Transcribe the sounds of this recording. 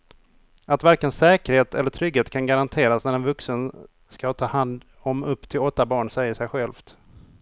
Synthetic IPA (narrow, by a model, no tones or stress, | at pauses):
at̪væɾkənsɛːkəɾheːt̪ʰɛlːəʈʰɾʏɡheːt̪kʰanɡaɾant̪ʰeːɾasnæɾɛnvɵksən | skat̪ʰɑːhand̪ | ɔmɵpːt̪ʰɪlɔt̪ːabɑːɳsɛjːəʂɛjɧɛlft̪